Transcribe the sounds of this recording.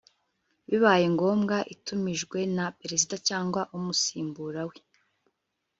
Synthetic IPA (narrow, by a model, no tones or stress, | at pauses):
βiβaːjeŋɡo̞ːmɡaʔitumiʒɡwe̞napeɾesidacaːŋɡwaʔumusiːmbuɾawe